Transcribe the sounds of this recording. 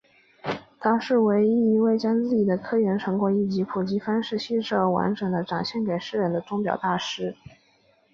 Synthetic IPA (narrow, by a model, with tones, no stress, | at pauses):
t̪ʰa˥ʂɻ̩˥˩we˧˥ɪi˥˩i˧˥we˥˩ɪt͡ɕjɑ˥ŋt͡sɹ̩˥˩t͡ɕi˨˩d̪ə˦kʰɤ˥ɥɛ˧˥nʈ͡ʂʰɤ˧˥ŋkwɔ˧˥i˨˩t͡ɕi˧˥pʰu˨˩t͡ɕi˧˥fa˥nʂɻ̩˥˧ɕi˥˧ʂɤ˥˩ə˧˥˩wa̰˧˥nʈ͡ʂɤ˨˩ŋd̪ə˦ʈ͡ʂɑ˨˩ŋɕjɛ˥˩nke˨˩ɪʂɻ̩˥˩ɻə˧˥nd̪ə˧ʈ͡ʂʊ˥ŋpjɑ̰˨˩ʊt̪a˥˩ʂɻ̩˥